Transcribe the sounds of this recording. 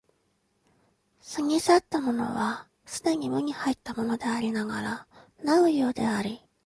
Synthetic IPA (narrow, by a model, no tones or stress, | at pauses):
sɨŋʲisat̪ːamo̞no̞̰βa | sɨd̪e̞ɲ̟imɯ̟ɲ̟ihait̪ːamo̞no̞d̪e̞aɾʲinaɡaɾanaɯ̟jo̞ːd̪e̞aɾʲi